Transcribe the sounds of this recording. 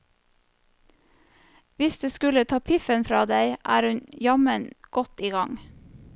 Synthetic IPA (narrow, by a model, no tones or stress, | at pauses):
ʋɪsd̪ʉːskʉlət̪ʰɑːpʰɪfənfɾɑːd̪eɪʔæ̰ːɾhʉnjɑmənɡ̥ɔt̪iːɡɑŋ